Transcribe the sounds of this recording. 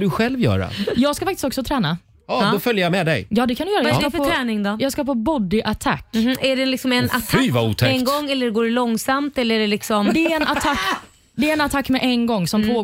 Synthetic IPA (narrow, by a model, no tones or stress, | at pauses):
d̪ɵɧɛlvjœ̰ːɾa̰jɑːɡskafakt̪ɪst̪ɔksɔt̪ʰɾɛːna | ɑd̪ɔfœljəɾjamɛd̪ɛjjɑːd̪ɛkʰanʏjœːɾaafœt̪ʰɾɛːnɪŋd̪ɔjɑːɡskapʰɔbɔd̪ɪʔat̪ʰa̰kːæɖɛlɪksɔmɛna̰t̪ʰyvaṵːt̪ʰɛɛnɡɔŋːɛlːəɖɛɡoːɾɭɔŋːsamt̪ɛlːəæɖɛlɪksɔmd̪ɛɛnat̪ʰakː | d̪ɛɾɛnat̪ʰakːmɛʔɛnɡɔŋːsɔmpʰoː